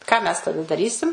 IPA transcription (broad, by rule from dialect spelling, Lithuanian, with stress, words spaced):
kɑː ˈmʲɛs tɐˈdɐ dɐˈrʲiːsʲɪm